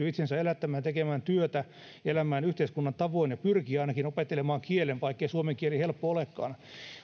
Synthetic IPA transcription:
yit̪sensæelæt̪ːæmæːnt̪ekemæːnt̪yøt̪æ | elæmːæːnyht̪eiskunːɑnt̪ɑʋoinjɑpyrkiɑinɑkinopet̪ːelemɑːŋkielenʋɑikːeisuomeŋkielihelpːoolekːɑ̰ːn

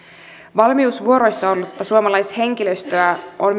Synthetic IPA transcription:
ʋɑlmiusʋuo̞ɾo̞jsːɑolːut̪ːɑsuomɑlɑjshe̞ŋk̟iløst̪øæʔon

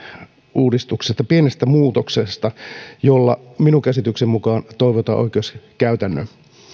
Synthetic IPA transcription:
uːdist̪uksest̪ɑpienest̪æmuːt̪oksest̪ɑjolːɑ̰minukæsit̪yksemmukɑːnt̪oiʋot̪ɑ̰ʔo̰ikeːskæyt̪ænːø̰n

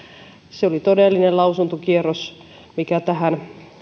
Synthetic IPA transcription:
seolit̪odelːinelɑusunt̪okierːos | mikæt̪æhæn

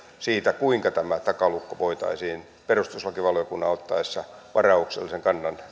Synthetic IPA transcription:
siːt̪ækuiŋkɑt̪æmæt̪ɑkɑlukːoʋoit̪ɑ̰isiːn | perust̪uslɑkiʋɑljokunːɑot̪ːɑesːɑʋʔɑrɑuksḛlːˑiseŋkɑnːɑn

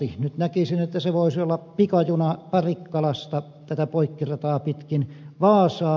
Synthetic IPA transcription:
ihnyt̪nækisinet̪ːæseʋoˑisiolːɑppikɑjunɑpɑrikːɑlɑst̪ɑ | t̪æt̪æpoikːirɑt̪ɑːpit̪kinʋɑːsɑː

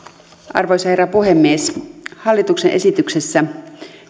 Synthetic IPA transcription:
ʔɑ̰rʋojsɑheræpuɦe̞mːieshɑlːit̪uksenʔe̞sit̪ykse̞sːæ

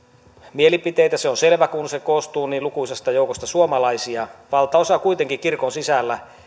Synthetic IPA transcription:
mielipit̪ejt̪æseonse̞lʋækunsekoːst̪uːniːlukuisest̪ɑjoukost̪ɑsuomɑlɑisiɑʋɑlt̪ɑosɑkuijt̪eŋkikirkonsisælːæ

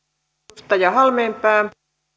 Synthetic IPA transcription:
t̪ɑjɑhɑlmeːmpæːm

